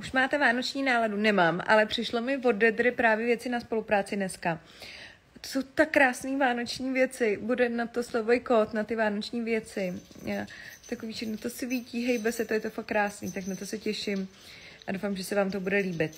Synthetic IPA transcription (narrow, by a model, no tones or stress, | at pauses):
uʃmaːt̪ɛvaːno̞t͡ʃɲiːnaːladunɛmaːmʔa̰lɛpr̥ɪʃlomɪvo̞dɛd̪ɾɪpɾaːvjɛvjɛt͡sɪnaspo̞lupɾaːt͡sɪnɛska | t̪oso̞wt̪akːɾaːsniːvaːno̞t͡ʃɲiːvjɛt͡sɪbudɛnat̪o̞slovɛjkot̪nat̪ɪvaːno̞t͡ʃɲiːvjɛt͡sɪat̪akoviːt͡ʃɪxnot̪o̞sɪviciːɦɛjbɛsɛt̪o̞jɛt̪ofakːɾaːsniːt̪aknat̪o̞sɛcɛʃɪm | ʔadowfamʒɛsɛvaːmt̪o̞budɛliːbɪt̪